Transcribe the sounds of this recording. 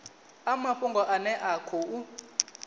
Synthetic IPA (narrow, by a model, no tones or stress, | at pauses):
amaɸuŋɡɔʔanɛʔakʰɔʔu